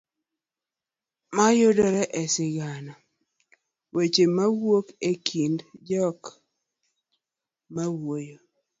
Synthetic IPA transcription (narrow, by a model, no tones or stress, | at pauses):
majodɔɾɛʔɛsɪɡana | wet͡ʃemawwokekʰindd͡ʒɔk | mawojo